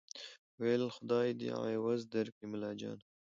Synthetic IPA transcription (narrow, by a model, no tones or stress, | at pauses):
welxʊd̪ɑːjd̪ḭa̰ewɐzd̪ɐɾkimɪlɑːd͡ʒɑ̰ːn